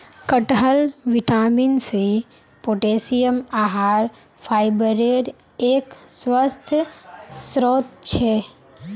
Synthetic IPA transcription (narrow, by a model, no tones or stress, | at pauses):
kəʈɦəlʋiʈaminse | poʈesijəmaɦaːɾ | pʰaːɪbəɾeɾ | eːkswəst̪ʰ | sɾoːt̪̚t͡ʃʰɛ